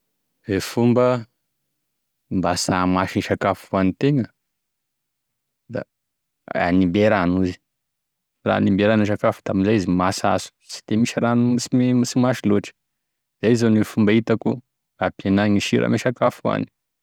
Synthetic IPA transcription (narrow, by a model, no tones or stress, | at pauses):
efumbə | mbasamaʃiʃakafuanit̪eŋə | d̪a̰ | a̰nimbeɾanuzi̥ | ra̰ːnimbeɾaniʃakafud̪aminzajizimasa̰zu̥si̥d̪̥emiʃiɾanuisimmisimaʃiloʈ͡ʂə̥ | zaizanefumbait̪aku | apjenaɲiʃiɾa̰meʃakafua̰ni̥